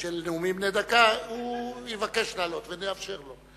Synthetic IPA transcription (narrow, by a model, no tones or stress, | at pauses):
ʃelneumimned̪akaujivake̞ʃlaːlo̞t̪veneafʃe̞ʁlo̞